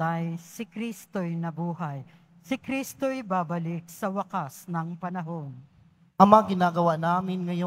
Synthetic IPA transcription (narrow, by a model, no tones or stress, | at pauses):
ɐjsɪkɾist̪ojnɐbuːɦɐj | sɪkɾist̪ojbaːbɐlɪk̚sɐwɐkasnɐŋpɐnɐɦon | ʔɐmɐaɡɪnaːɡɐwanaːmɪnŋɐjo